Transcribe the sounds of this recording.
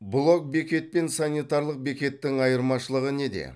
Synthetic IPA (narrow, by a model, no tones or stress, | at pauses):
blˠo̞k̚be̞kʲe̞t̪̚pe̞nsanijt̪ɑɾlˠəq̚be̞kʲe̞t̪ːɪŋɑjəɾmɑʃəlˠəʁəne̞d̪ḛ